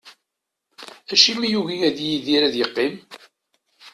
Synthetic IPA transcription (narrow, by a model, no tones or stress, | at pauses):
æʃimijuʝijæðjiðiɾæðjəqːɪm